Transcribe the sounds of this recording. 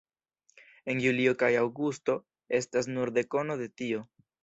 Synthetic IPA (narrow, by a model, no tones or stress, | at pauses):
e̞njuliokajawɡusto̞ | e̞stas̬nuɾd̪e̞ko̞no̞d̪e̞tio̞